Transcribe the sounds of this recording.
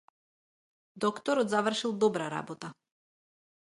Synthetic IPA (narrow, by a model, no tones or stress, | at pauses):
d̪ɔkt̪ɔɾɔt̪zavr̩ʃilˠd̪ɔbɾaɾa̰bɔt̪a